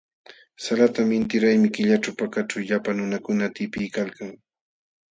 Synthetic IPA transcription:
salat̪amɪnt̪ɪɾajmɪkɪʎaʈ͡ʂawpakaʈ͡ʂawʎapanʊnakʊnat̪ɪpɪjkalkaŋ

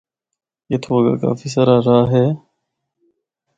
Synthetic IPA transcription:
et̪ʰoːʋəɡa̰ka̰ːfiːs̬əɾaːɾaːɦeː

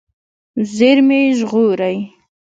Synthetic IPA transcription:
zeɾmeʒɣoɾaj

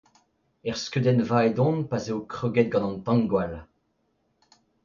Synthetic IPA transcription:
ɛʁskød̪ɛnvaed̪ɔ̃npazeokχøɡɛt̪̚ɡɑ̃nɑ̃nt̪ɑ̃ŋɡwal

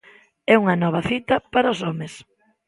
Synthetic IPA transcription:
ɛuŋɐnɔβɐθit̪ɐpaɾɐʊsɔmes

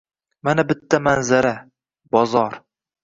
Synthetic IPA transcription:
manabɪt̪ʰːamanzaɾa | bɒzɒɾ

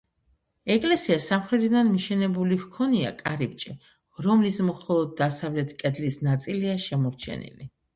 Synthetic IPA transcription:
ɛkʼlɛsiasamχɾɛt̪ʰid̪anmiʃɛnɛbulihkʰɔnia̰kʼaɾip̚t͡ʃʼɛ | ɾɔmlismχɔlˠɔd̪̚ːasavlɛt̪ʰkʼɛd̪lisnat̪sʼiliaʃɛmɔɾt͡ʃʰɛ̰nḭli

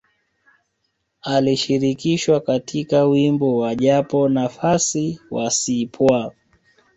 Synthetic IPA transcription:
aliʃiɾikiʃwakatʰikawimbɔwaʄapɔnafasiwasipʰwa

